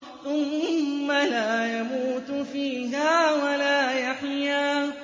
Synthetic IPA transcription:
θʊmːalaːjamuːt̪fiːɦaːwalaːjaħjaː

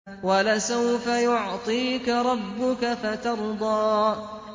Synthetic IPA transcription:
walasawfajʊʕt̪ˤiːkaɾˤɑbːʊkafat̪ɑɾˤd̪ˤɑː

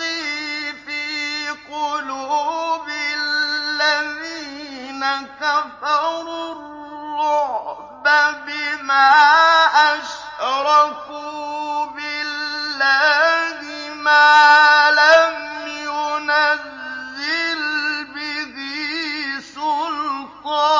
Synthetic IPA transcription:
ifiːqʊluːbɪllːaðiːnakafɑɾˤlː | ʊh | babɪmaːʔaʃ | ɾˤɑfubɪlːanɪ | maːlamjʊnazːɪlbɪði | sʊlkɑ

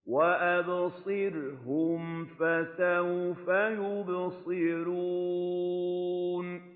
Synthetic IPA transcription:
waʔabsˤɨɾɦʊmfasafajʊbsˤɨɾuː | n

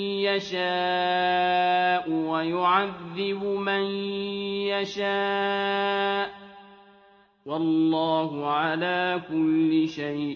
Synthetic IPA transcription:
jaʃaː | ʔʊwajʊʕaðːɪbʊman | jaʃaː | ʔ | wɑlːɑːɦʊʕalaːkʊlːɪʃajʔ

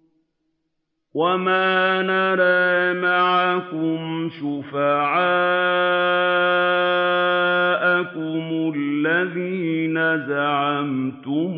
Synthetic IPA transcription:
wamaːnaɾˤɑmaʕakʊmʃʊfaʕaː | ʔakʊmʊlːaðiːnazaʕamt̪ʊ

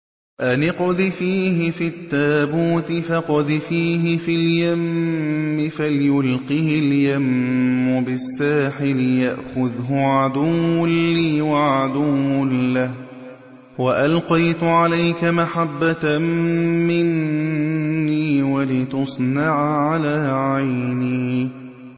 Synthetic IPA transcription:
ʔanɪqʊðɪfiːhɪfit̪ːaːbuːt̪ɪfaqʊðɪfiːɦɪfiljamː | ɪfalɪjʊlqihɪljamːʊbɪsːaːħɪlɪjaʔxʊðɦʊʕad̪uːiːwaʕad̪uːʊːah | waʔalqɑjt̪ʊʕalajkamaħabːa | mɪnː | iːwalɪt̪ʊsˤnɑʕʕalaːʕajniː

